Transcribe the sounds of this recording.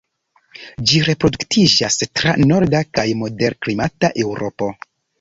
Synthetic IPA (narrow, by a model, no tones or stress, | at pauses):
d͡ʒiɾe̞pɾo̞duktʰid͡ʒastɾano̞ɾdakajmo̞de̞ɾklimataʔe̞wɾo̞po̞